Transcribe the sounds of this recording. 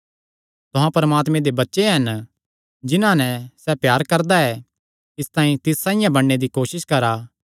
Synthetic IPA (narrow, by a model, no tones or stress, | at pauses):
t̪ʊɦãpɐɾəmaːt̪mẽd̪ebɐtːʃeɦɐn | d͡ʒɪnãnɛsɛpjaːɾkɐɾd̪aɛ | ɪst̪ãːĩt̪ɪsːãːɪ̃jãbɐɽːed̪ikoːʃɪskɐɾaː